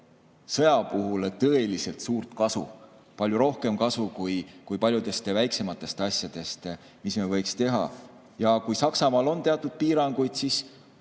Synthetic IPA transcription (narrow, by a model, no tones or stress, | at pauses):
sɤ̞jɑpuɦulet̪ɤ̞e̞lise̞lt̪suːrt̪kɑsṵ | pɑlʲjuɾo̞hke̞mkɑsukujkujpɑlʲjud̪̥e̞st̪evæjkse̞mɑt̪ːˑe̞st̪ɑsʲjɑd̪̥e̞st̪ | mismevɤ̞jkst̪e̞ɦɑ̰ | jɑkujsɑksɑmɑːlo̞nt̪e̞ɑt̪ːˑud̪̥̚piːɾɑŋɡ̥ujd̪̥sis